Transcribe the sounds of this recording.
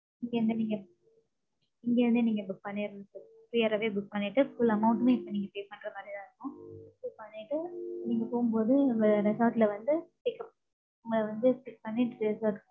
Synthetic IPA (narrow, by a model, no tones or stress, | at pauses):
ɪŋɡeːɾɯnd̪ɯniːŋɡɐ | ɪŋɡeːɾɯnd̪ɯniːŋɡɐbʊk̚pɐnːeːɾɯnd̪ɯt͡ʃːɯ | pɾiɐɾɐʋeːbʊk̚pɐnːɪʈːɯfʊlːɐmɐʊ̃ɳʈnẽːɪpːoniːŋɡɐpeːsmɐʈɾɐmaːd̪iðãːɾɯkːʊ̃bʊk̚pɐnːɪʈːɯniːŋɡɐpoːɣɯmpoːðɯɐŋɡɐɾɛsoːʈlɐʋɐnd̪ɯʈɪkːɐp̚ | ʊŋɡɐlɐʋɐnd̪ɯsʈɪk̚pɐnːɪʈːɾɾɛsoːʈ